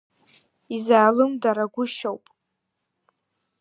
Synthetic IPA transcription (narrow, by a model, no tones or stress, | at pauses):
izaːlɨmdaɾaɡʷʊʃowpʼ